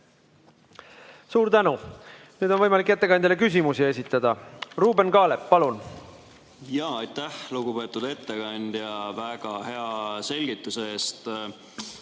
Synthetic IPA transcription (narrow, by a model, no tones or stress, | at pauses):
suːɾt̪ænu | nyːd̪o̞nvɤjmɑlikːˑe̞t̪ːe̞kɑnd̪̥ʲɑlekys̬ʲimusie̞s̬ʲit̪ːˑɑd̪̥ɑruːbe̞nkɑːle̞pːɑlun | jɑːɑjt̪ːæhluɡupe̞ːt̪ːˑud̪e̞t̪ːeɡ̥ɑnʲd̪̥jɑvæɡ̥ɑɦe̞ɑse̞lʲɡ̥it̪ːˑuseeːst̪